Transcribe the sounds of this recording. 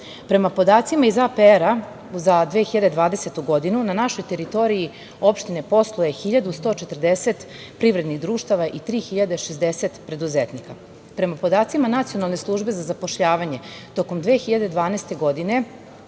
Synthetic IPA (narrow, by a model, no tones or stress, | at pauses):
pɾe̞mapo̞d̪aːt̪simaizapeeɾa | zad̪ʋexiʎad̪e̞d̪ʋaːd̪e̞se̞t̪uɡo̞d̪inunanaʃo̞jt̪e̞ɾit̪o̞ɾii | o̞pʃt̪ine̞po̞slˠoje̞xiʎad̪ust̪o̞t͡ʃet̪r̩d̪eset̪ | pɾiʋɾe̞d̪niɣd̪ɾuːʃt̪aʋaʔit̪ɾiːxiʎad̪e̞ʃezd̪eset̪pɾe̞d̪uzet̪nika | pɾe̞mapo̞d̪aːt̪simanat̪sio̞nalˠneslˠuːʒbe̞zazapo̞ʃʎaːʋaɲe̞t̪o̞ko̞md̪ʋexiʎad̪e̞d̪ʋaːnest̪e̞ɡo̞d̪ine̞